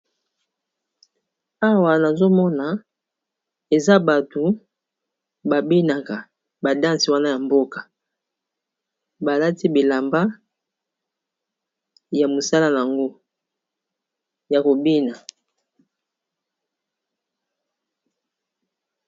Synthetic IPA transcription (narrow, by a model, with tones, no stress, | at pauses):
a˦wa˨na˨zo˦mɔ˦na˨ | e˨za˦ba˨to˨ | ba˨bi˦na˨ka˨ | ba˨dã˦nsi˨wa˦na˦ja˨mbo˦ka˨ | ba˨la˦ti˦bi˨la˨mba˦ | ja˨mo˨sa˦la˦na˨a˨ŋɡo˦ | ja˨ko˨bi˦na˨